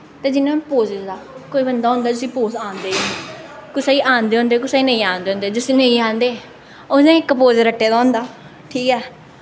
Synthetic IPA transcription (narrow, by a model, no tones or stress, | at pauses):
t̪eːd͡ʒɪnːãːpoːzɪd̪aːkoːiːbənd̪aːɦʊ̃nd̪aːʊsĩːpoːsãːnd̪eː | kʊsaːiːʔãːnd̪eːɦʊ̃ːnd̪eːkʊsaːiːnəĩːãːnd̪eːɦõːnd̪eːd͡ʒʊsĩːnəĩːãːnd̪eː | odẽːɪkpoːd͡ʒɾəʈːeːd̪aːɦʊ̃nd̪aː | ʈʰiːkɛː